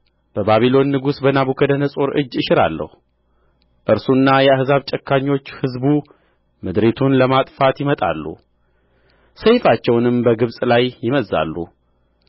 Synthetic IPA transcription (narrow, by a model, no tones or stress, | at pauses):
b̥əbaβilo̞nːɨɡusbənaβukʰəd̪ənəsʼo̞ɾʔɨ̰d͡ʒːɨʃɪɾa̰lːə̰hu | ʔɨɾsunːajɛahzaβt͡ʃʼəkʰːaɲːo̞t͡ʃːhɨzbu | mɨd̪ɾet̪ʰunləmat̪ʼfat̪jɪmət̪ʼa̰lːṵ | səjfat͡ʃːɛwnɨmbəɡɨβsʼlajjɪməzːa̰lːṵ